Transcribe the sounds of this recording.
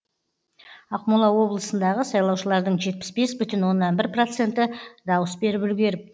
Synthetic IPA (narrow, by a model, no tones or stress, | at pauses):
ɑqmulˠɑwo̞blˠəsənd̪ɑʁəsɑjlˠɑwʃəlˠɑɾd̪əɴʒe̞t̪̚pɪ̥sbe̞sbʏt̪ɪnwo̞nːɑnbɪɾpro̞t̪se̞nt̪ɪd̪ɑwəsbe̞ɾɪpʏlɡʲe̞ɾɪp̚